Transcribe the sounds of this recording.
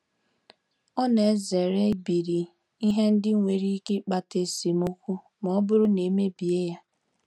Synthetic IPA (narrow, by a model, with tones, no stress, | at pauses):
ɔ˦ne˨˦ze˨ɾe˦bi˨ɾi˨ | i˦ɦe˦n̩˦dɪ˦ŋʷe˨ɾi˦ke˦k͡pa˦te˦si˨mʊ˦kʷʊ˦ | m˨ɔ˦bʊ˦ɾʊ˦ne˨me˦bi˨e˦ja˦